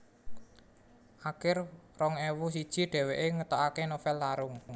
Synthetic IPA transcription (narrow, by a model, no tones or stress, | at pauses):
ʔakɪrrɔŋewus̬id̥ʒ̥i̤ɖ̥ɛ̤weʔeŋət̪ɔʔakenofɛlːaɾʊŋ